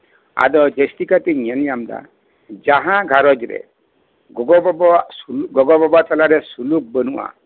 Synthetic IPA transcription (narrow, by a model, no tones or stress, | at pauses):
a̰d̪ɔd͡ʒest̪ikat̪iɲanijamd̪a̰ | d͡ʒaɦãɡʱaɾɔd͡ʒɾḛ | ɡɔɡɔbɔbɔsuɡɔɡɔbɔbatalaɾesuluk̚bɔnua̰